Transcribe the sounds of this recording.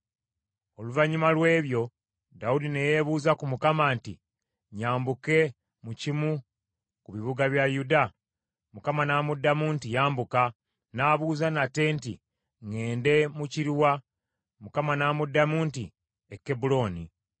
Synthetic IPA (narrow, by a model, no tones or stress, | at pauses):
o̞luvaɲumalwe̞ːβjo̞ | daudine̞je̞βuːzakumukamantḭ | ɲaːmbuke̞ | mucimu | kuβiβuɡaβjajuda | mukamanamudːamuːntijaːmbuka | naβuːzanatːe̞ːntḭ | ŋe̞ːnde̞muciɾiwa | mukamanamudːamuːnti | ekːe̞bulo̞ːni